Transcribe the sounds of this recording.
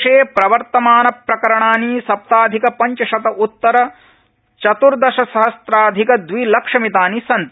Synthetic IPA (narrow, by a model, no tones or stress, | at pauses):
ʂeːpɾɐʋɐɾt̪ɐmaːnɐpɾɐkɐɾɐɳaːniːsɐp̚t̪aːd̪ʱikɐpɐɲt͡ʃɐʃɐt̪ɐʔut̪ːɐɾɐ | t͡ʃɐt̪uɾd̪ɐʃɐsɐɦɐst̪ɾaːd̪ʱikɐd̪ʋilɐkʂɐmit̪aːnisɐnt̪